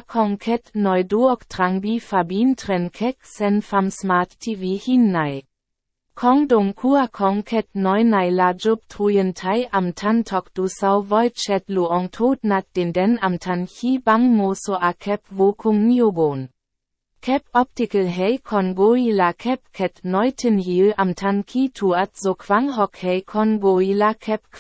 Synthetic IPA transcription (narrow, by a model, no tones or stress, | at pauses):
kʰɔŋkʰɛtnɔjduɔktʁ̥aŋbifabiːntʁɛnkʰɛksɛnfamsmaːtːʰivihinːaj | kʰɔŋdɔŋkʰuakʰɔŋkʰɛt̚nɔjnajlad͡ʒɔp̚tʰʁujəntʰajʔamtʰantʰɔkd̥usawvɔjtt͡ʃɛtluɔŋtʰoːtnat̪̚d̥endɛnamtʰançibaŋmosoʔakʰɛp̚vokʰʊŋniobon | kʰɛpɔp̚tikəlɦɛjkʰɔnɡoilakʰɛp̚kʰɛtnɔjtʰənjilamtʰankʰitʰuatzokʰvaŋɦɔkhɛjkʰɔnɡoilakʰɛp̚